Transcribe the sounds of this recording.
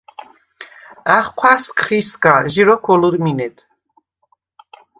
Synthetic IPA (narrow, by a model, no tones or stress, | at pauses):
aχkʰwaskʰχiskaʒiɾɔkʰɔluɾminɛt̪ʰ